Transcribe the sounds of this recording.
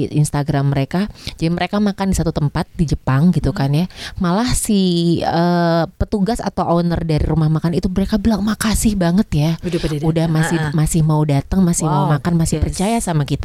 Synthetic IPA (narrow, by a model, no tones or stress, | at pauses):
ʔḭnst̪aɡɾamːəɾekad͡ʒadiməɾekamakandisat̪ut̪əmpat̪̚did͡ʒəpaŋɡit̪ukanjamalahsiəpət̪uɡasa̰t̪awʔonərdaɾiɾumahmakanit̪uməɾekabəlaŋmakasɪhbaŋət̪jaudahmasɪhmasɪhmaudat̪əŋmasɪhmaumakanmasɪhpərt͡ʃajasamakit̪a